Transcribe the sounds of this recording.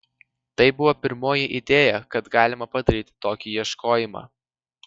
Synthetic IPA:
t̪ɐɪbʊʋoːpʲɪɾmoːjɪʔɪd̪ʲeːjɛkɐt̪ɡɑːlʲɪmɐpɐd̪ɐɾʲiːt̪ʲɪ̥t̪oːkʲiːjiɛʃkoːjɪmɑ̰ː

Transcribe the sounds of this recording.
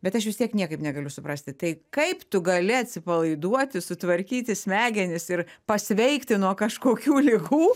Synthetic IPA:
bʲɛt̪ɐʃʋʲɪst̪ʲiɛknʲiɛkɐɪpnʲɛɡɐlʲʊsʊpɾɐsʲt̪ʲɪt̪ɐɪkɐɪpt̪ʊɡɐlʲɪɐt̪ʲsʲɪpɐlˠɐɪd̪uɔt̪ʲɪsʊt̪ʋɐɾʲkʲiːt̪ʲɪsʲmʲæːɡʲɛnʲɪsɪrpɐsʲʋʲɛɪkt̪ʲɪnuɔkɐʃkoːkʲuːlʲɪɡuː

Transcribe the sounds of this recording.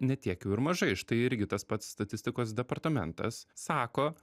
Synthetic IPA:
nʲɛt̪ʲiɛkjɛʊɪɾmɐʒɐɪʃt̪ɐɪɪɾʲɡʲɪt̪ɐspɐt̪sːt̪ɐt̪ʲɪsʲt̪ʲɪkoːs̬d̪ʲɛpɐɾt̪ɐmʲɛ̰nt̪ɐ̰sːɑːkoː

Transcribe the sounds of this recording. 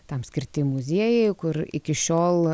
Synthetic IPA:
t̪ɐmsʲkʲɪɾʲt̪ʲɪmʊzʲiɛjɛɪkʊɾɪ̰kʲɪʃʲoːlˠ

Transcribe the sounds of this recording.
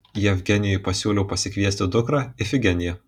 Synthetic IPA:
jɛʋʲɡʲɛnʲɪjɔjpɐsʲuːlʲɛʊpɐsʲɪkʲʋʲiɛsʲt̪ʲɪd̪ʊkɾɑːɪfʲɪɡʲɛnʲɪjɛ

